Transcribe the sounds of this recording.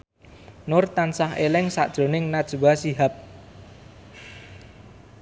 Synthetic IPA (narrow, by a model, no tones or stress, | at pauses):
nʊrt̪ansaɦelɪŋsa̰ʔd̥ʒ̥ɾo̤nɪŋnad̥ʒ̥uwasiɦap̚